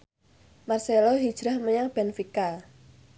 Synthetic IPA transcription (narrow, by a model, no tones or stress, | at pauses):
marseloɦid̥ʒ̥ɾahməɲaŋb̥ɛnfika